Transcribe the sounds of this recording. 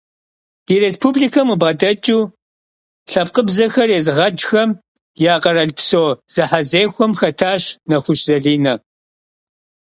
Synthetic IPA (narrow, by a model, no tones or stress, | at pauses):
d̥iɾeːspʰublikʰɐmubʁɐdɐt͡ʃʼuː | ɬɐp̚qəbzɐxɐrezʁɐd͡ʒxɐm | jaːqɐɾɐɮpsoːz̥ɨħazeːxʷɔmxɐtʰaːɕnɐxʷʊɕz̥ɐɮiːnɐ